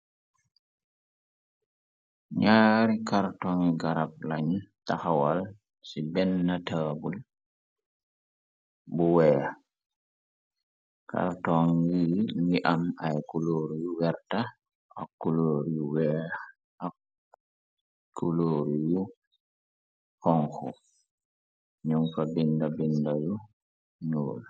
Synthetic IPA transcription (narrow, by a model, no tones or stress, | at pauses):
ɲaːɾikaɾtɔŋiɡaɾap̚laɲtaxawal | sibɛnːataːbul | buwɛː | ka̰ɾtɔŋɡiŋiʔamajkuloːɾijuwɛɾta | ʔa̰kːuloːɾijuwɛː | a | kʰːuloːɾiju | hɔŋkɔ̰ | ɲuŋfabindabindaju | ɲoːl